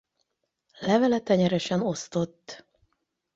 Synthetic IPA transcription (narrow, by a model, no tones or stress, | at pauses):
lɛvɛlɛt̪ɛɲɛɾɛʃɛno̞st̪o̞t̪ː